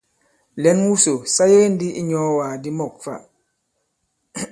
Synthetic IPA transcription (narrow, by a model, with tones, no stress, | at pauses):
lɛ˨˦nwu˦so˨sa˦je˦n˦di˦i˦ɲɔ˨˦waː˨di˦mɔ˨k̚fa̰˦˨